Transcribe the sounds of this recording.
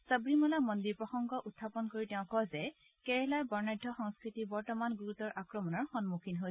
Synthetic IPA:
sabɹimɔlamɔndiɹpɹɔxɔŋɡɔʔutʰːapɔnkoɹitɛʊ̃kɔzɛ | kɛɹɛlajbɔɹnajdʱːɔxɔŋskɹitibɔɹtɔmanɡuɹutɔɹʔakɹɔmɔnɔɹxɔnmukʰinɦojɛ

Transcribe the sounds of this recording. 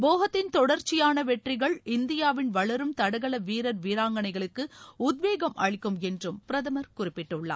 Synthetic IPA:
boːɣɐt̪ːɪnt̪ɔɽɐɾt͡ʃːɪjaːnɐʋɛʈrɪɣɐɭɪnd̪ɪjaːʋɪnʋɐɭɐɾɯmt̪ɐɽɐɣɐɭɐʋiːɾɐɾʋiːɾaːŋɡɐɳɐɪɣɐɭɯkːɯʊd̪̚ʋeːɣɐmʔɐ̰ɻɪkːɯmɛndrɯmpɪɾɐðɐmɐɾkʊrɪpːɪʈːɯɭːa̰ː

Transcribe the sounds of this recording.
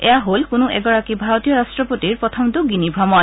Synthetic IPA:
ɛ̰jaɦolkonuʔɛ̰ɡɔɹakibʱaɹot̪ijɔɹastɹɔpotiɹpɹɔt̪ʰɔmd̪uɡinibʱɔmɔn

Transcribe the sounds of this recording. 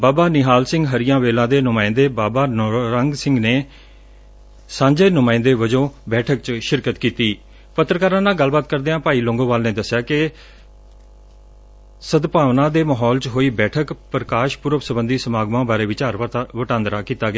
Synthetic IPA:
baːbaːnɪɦaːlsɪ̃ŋɡɦəɾɪjãːʋeːlãːd̪eːnʊmaːɪ̃nd̪eːbaːbaːnɾəŋɡsɪ̃ŋɡneː | sãːɲd͡ʒeːnʊmaːɪ̃nd̪eːʋəd͡ʒõːbɛːʈʰək̚t͡ʃʃɪɾkət̪kiːt̪iː | pət̪ːɾkaːɾãːnaːɡalbaːt̪kəɾd̪eːãːpaːiːlõːŋɡõːʋaːlneːd̪əsːɪjaːkɪ | səd̪paːʋnãːd̪eːməːɦɔːlt͡ʃɦoːiːbɛːʈʰəkpɾəkaːʃpʊɾəʋsəbənd̪iːsəmaːɡmãːbaːɾeːʋɪt͡ʃəɾʋəʈãːnd̪ɾaːkiːt̪aːɡɪaː

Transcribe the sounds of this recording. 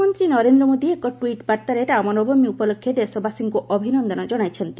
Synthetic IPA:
mont̪ɾinɔɾend̪ɾɔmod̪iekɔʈwiʈbaɾt̪aɾeɾamɔnɔbɔmiupɔlokʰːjed̪esɔbasiŋkuʔɔbʱinɔnd̪ɔnɔd͡ʒɔɽ̃ajt͡ʃʰɔnt̪i̥

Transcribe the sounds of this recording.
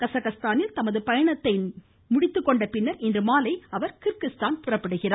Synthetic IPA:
kɐsɐɣɐst̪aːnɪlt̪ɐmɐðɯpɐjɐɳɐt̪ːɐɪ | mʊɽɪt̪ːɯkːɔɳɖɐpɪnːɐɾɪndrɯmaːlɐɪɐʋɐɾkɪɾkɪst̪aːnpɪrɐpːɪɽɯɣɪraː

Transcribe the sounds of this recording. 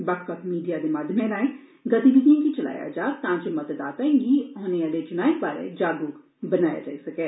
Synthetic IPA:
bəkkət̪miːɖijaːd̪eːmaːd̪ʱmẽlãːẽ | ɡət̪iːb̪id̪iẽkit͡ʃəla̰ːja̰ːd͡ʒaːt̪ãːt͡ʃmət̪d̪aːt̪aːẽɡiːoːnealeːd͡ʒɪnaːɪkbaːɾḛːd͡ʒaːd̪uː | bənaːja̰ːd͡ʒa̰ːiːsəkeː

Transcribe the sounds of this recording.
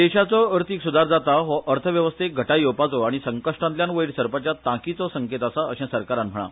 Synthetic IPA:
d̪eɕat͡sɔəɾt̪ʰiksud̪aɾd͡zat̪aɦɔʔəɾt̪ʰəʋjəʋəst̪ʰeɡʱəʈajopat͡sɔaɽ̃isəŋkəʂʈãnt̪ljãnʋəjiɽsəɾpat͡ɕjat̪ãkit͡sɔsəŋket̪asaəɕɛ̃səɾkaɾanm̤əɽ̃a̰

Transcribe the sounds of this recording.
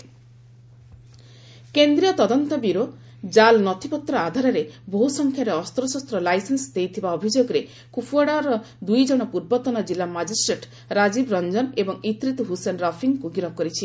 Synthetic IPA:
kend̪ɾijɔt̪ɔd̪ɔnt̪ɔbiɾo | d͡ʒalnɔt̪ʰipɔt̪ɾɔad̪ʱaɾɔɾeboɦusɔŋkʰjaɾeɔst̪ɾɔsɔst̪ɾɔlajsensd̪ejt̪ʰibaɔbʱid͡ʒoɡɔɾe | kupʰuaɽaɾɔ | d̪ujd͡ʒɔɽ̃ɔpuɾbɔt̪ɔnɔd͡ʒilamad͡ʒisʈɾeʈ | ɾad͡ʒibɾɔnd͡ʒɔnebɔŋit̪ɾit̪uɦusenɾɔpʰiŋkuɡiɾɔkɔɾit͡ʃʰi

